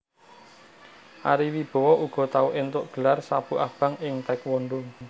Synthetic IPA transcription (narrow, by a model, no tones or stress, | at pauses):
ʔa̰ɾiwib̥ɔ̤wɔʔuɡ̥ɔ̤t̪auʔɪnt̪ʊʔɡ̥ə̤larsab̥uʔab̥a̤ŋɪŋt̪ɛkwɔɳɖʊŋ